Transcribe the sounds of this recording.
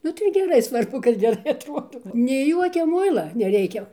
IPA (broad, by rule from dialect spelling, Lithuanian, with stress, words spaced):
ˈnʊ tɐɪ ɡʲɛˈrɐɪ ˈsʋɐrbʊ kɐt ɡʲɛˈrɐɪ ɐtˈruɔdɐʊ nʲɛɪ ˈjuɔkʲɛ ˈmʊɪlˠɐ nʲɛˈrʲɛɪkʲɛ